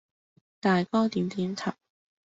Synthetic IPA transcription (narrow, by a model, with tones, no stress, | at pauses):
t̪aː˨jkɔː˥t̪iː˨˥mt̪iː˨˥mt̪ʰɐ˨˩p̚